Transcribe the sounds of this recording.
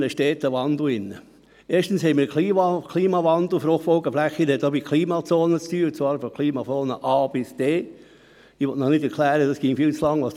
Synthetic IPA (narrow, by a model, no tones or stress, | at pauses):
nəʃtɛːt̪əʋɑnd̪l̩ɪnːə | eːʃtən̩shɛɪmiːkʰliːkʰliːmɑʋɑnd̪l̩ˠfɾoχfɔʊɡəflæχinɛtobikʰliːmɑt͡soːnət͡styːt͡sʋɑːɾfɔkʰliːmɑfoːnəʔɑːb̥ɪsd̥eː | ɪʋɔtnɔχnɪdɛɾkʰlæːɾədɑsɡ̥ɪŋfiːlt͡slɑŋʋɑs